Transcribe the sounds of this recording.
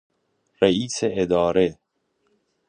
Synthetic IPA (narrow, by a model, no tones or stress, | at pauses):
ɾeiːseʔːd̪ɒːɾe